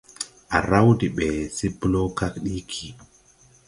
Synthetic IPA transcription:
ʔa˨ɾa˦wdi˨ɓɛ˨si˦blo˦ka˦kɗi˦kʰi˨

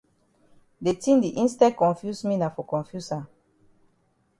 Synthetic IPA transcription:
de˨tĩ˦ndi˨ʔĩ˦nstɛ˦kɔ̃˨nfju˦smĩ˦na˨fɔ˨kɔ̃˨nfju˦sã˨

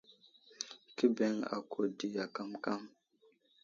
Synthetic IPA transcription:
ki˦be˦ŋa̰˨kʰo˨di˨ja˨ka˦mka˦m

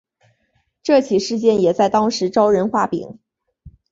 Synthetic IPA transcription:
ʈ͡ʂɤ˥˩t͡ɕʰi˨˩ʂɻ̩˥˧t͡ɕjɛ˥˩njɛ˨˩t͡sa˥˩ɪt̪ɑ˥ŋʂɻ̩˧˥ʈ͡ʂɑ˥ʊɻə˧˥nxwa˥˩pḭ˨˩˦ŋ

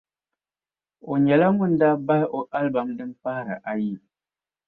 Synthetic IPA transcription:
o˨ɲɛ˨la˦ŋu˦n˦da˦ba˦lʔo˨ʔa˦lba˨mdɨ˦m˦pa˦ɾɨ˨ʔa˦ji˦˨

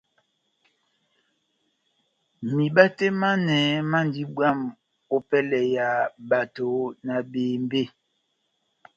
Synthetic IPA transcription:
mi˨ɓa˦te˦ma˦nɛ˨˦ma˦n˨di˦bwa˦˨m | o˦pɛ˦lɛ˨ja˨ba˨to˨na˨beː˨m˦be˦˨

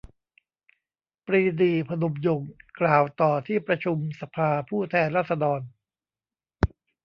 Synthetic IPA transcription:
pɾiː˧diː˨˧pʰa˧no˨˧mjo˨˩ŋklaː˨˩wt̪ɔː˨˩t̪ʰiː˥˩pɾa˧t͡ɕʰu˧msa˨pʰaː˧pʰuː˥˩t̪ʰɛː˧nɾaː˥˩t̪̚sa˧dɔː˧n

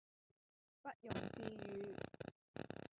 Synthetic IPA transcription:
pɐ˥t̚jʊ˨˩ŋt͡siː˧jyː˨˧

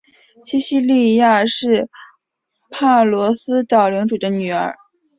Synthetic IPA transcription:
ɕi˥ɕi˥li˥˧ja˥˧ʂɻ̩˥˩ | pʰa˥˩lwɔ˧˥sɹ̩˥t̪ɑ˥˩ʊli˧˥ŋʈ͡ʂu˨˩d̪ə˦ny˨˩ə̰˞˧˥

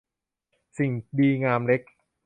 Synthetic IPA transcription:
si˨˩ŋdiː˧ŋaː˧mle˦˥k̚

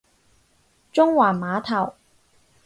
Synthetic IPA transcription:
t͡ʃʊ˥ŋwaː˨˩nmaː˨˥t̪ʰɐ˨˩w

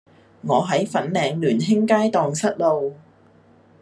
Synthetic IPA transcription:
ŋɔː˨˧ɦɐ˨˥jfɐ˨˥nlɛː˨˧ŋlyː˨˩nɦɪ˥ŋkaː˥jt̪ɔː˨ŋsɐ˥t̚lo˨w

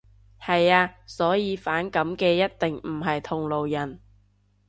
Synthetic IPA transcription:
hɐ˨jaː˧sɔː˨˥jiː˨˧faː˨˥nkɐ˨˥mkɛː˧jɐ˥t̚t̪ɪ˨ŋmm̩˨˩ɦɐ˨jt̪ʰʊ˨ŋlo˨wjɐ˨˩n

